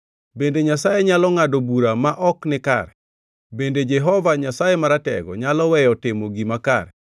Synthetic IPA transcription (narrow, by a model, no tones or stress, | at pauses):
bendeɲasajeɲalɔŋadobuɾamaʔɔknɪka̰ɾɛ | bended͡ʒeɦɔvaɲasajemaɾatɛ̰ɡɔ̰ɲalɔwɛjɔtɪmoɡimaka̰ɾɛ